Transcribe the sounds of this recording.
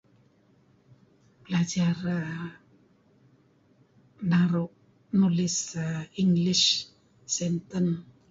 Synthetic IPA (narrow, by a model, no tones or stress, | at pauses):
bəlad͡ʒar | naɾʊʔ | nulisiŋɡliʃ | sɛnt̪ən